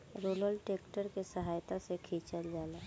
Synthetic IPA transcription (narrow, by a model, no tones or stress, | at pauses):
ɾuːɾəlʈeːkʈəɾkesəɦaːjt̪asekʰiːt͡ʃəld͡ʒaːlaː